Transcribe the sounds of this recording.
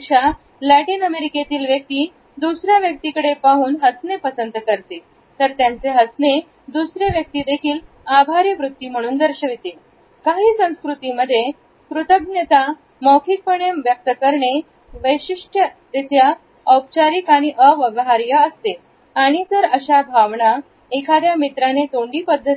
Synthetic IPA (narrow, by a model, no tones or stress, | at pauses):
ɕa | læʈiːnəmeɾiket̪iːlʋjək̚t̪iː | d̪usɾjaʋjək̚t̪ikəɽepaɦuːnɦəsnepəsənt̪kəɾt̪e | t̪əɾt̪jant͡seɦəsne | d̪usɾeʋjək̚t̪iːd̪ekʰiːl | abʱaɾjəʋɾut̪ːiːm̤əɽ̃uːnd̪əɾɕəʋit̪e | kaɦiːsə̃w̃skɾut̪iməd̪ʱːje | kɾut̪əb̚njət̪a | mɔkʰik̚pəɳeʋjək̚t̪əkəɾɳe | ʋəjɕiʂʈʰə | t̪et̪ʰja | əp̚t͡ɕaɾikaɽ̃iʔəʋəʋɦaɾjəəst̪e | aɽ̃it̪əɾəɕabʱaʋɳa | ekʰad̪jamit̪ɾanet̪oɳɖiːpəd̪ʱːət̪i